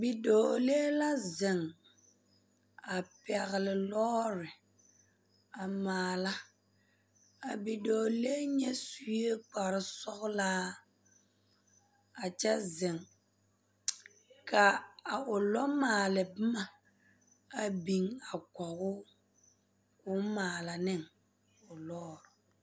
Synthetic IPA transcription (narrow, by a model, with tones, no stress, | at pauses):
bi˨doː˨le˦la˦zɪ˨ŋ | a˨pɛ˨ɣɪ˨lɪ˨lɔː˦ɾɪ˨ | a˨maː˨la˦ | a˨bi˨do˨leː˦ɲɛ˦su˦e˦k͡pa˨ɾɪ˦sɔ˦ɣʊ˦la˦ | a˨t͡ʃɛ˦zɪ˨ŋ | ka˨a˨ʊ˨lɔ˦maː˨lɪ˨bɪ˦ma˨ | a˨bi˨ŋa˨kɔ˨ɣʊ˦ | ʊ˦maː˨la˨nɪ˦˨ŋ | ʊ˨lɔː˦ɾʊ˨